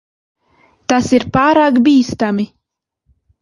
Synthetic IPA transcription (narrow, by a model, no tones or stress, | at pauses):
t̪asiɾpaːɾaːkbiːst̪ami